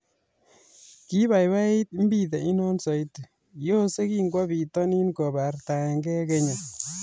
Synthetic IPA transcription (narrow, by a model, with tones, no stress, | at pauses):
ki˦ba˨jba˦i˦t̚m̩˦bi˦˨t̬ɛ˨i˦nɔ˦nsɔ˨jtu˨ | jo˦se˦ki˦ŋɡwa˦bi˨tɔ˦ni˦nkɔ˨ba˨rta˨ɛ˨ŋɡɛ˦ke˦ɲa˨